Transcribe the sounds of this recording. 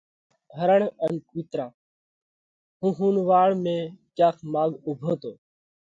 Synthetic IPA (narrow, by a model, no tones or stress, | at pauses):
ɦəɾəɳənkiːt̪ɾãː | ɦũːɦuːnʋaːɭmẽːkjaːkʰmaːɡʊbʱoːt̪oː